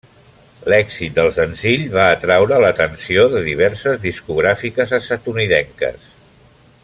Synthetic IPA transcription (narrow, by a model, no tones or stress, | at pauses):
lɛkzit̪̚d̪əlˠsənziʎβaːt̪ɾawɾələt̪ənsioðəðiβ̞ɛɾsəzðiskuɣ̞ɾafikəzəsat̪uniðɛŋkə̰s